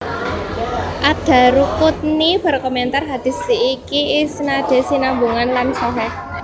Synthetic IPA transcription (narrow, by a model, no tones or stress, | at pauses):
ʔad̥ä̤ɾukut̪̚nibərkɔmɛnt̪arɦad̪̥i̤siikiːsnaɖ̪̥e̤sinambuŋanlansɔɦɛ